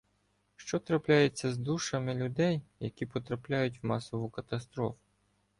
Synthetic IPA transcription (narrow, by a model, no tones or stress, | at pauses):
ʃt͡ʃɔt̪ɾɐplʲajet͡sʲːɐzd̪uʃɐmɪlʲʊd̪ɛjjɐkʲipɔt̪ɾɐplʲajʊt̬ʲwmɑsɔʋʊkɐt̪ɐst̪ɾɔfʊ̥